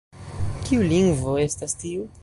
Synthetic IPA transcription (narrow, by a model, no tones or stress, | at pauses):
kiuliŋɡvo̞e̞stastiu